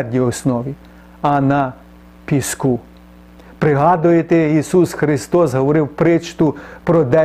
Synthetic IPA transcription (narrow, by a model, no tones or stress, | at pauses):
rdʲiɔsnɔʋʲi | ɐnɐ | pʲisku | pɾɪɦɑd̪ʊjet̪eisusxɾɪst̪ɔsɦɔʋɔɾɪwpɾɪt͡ʃt̪ʊpɾɔd̪ɛ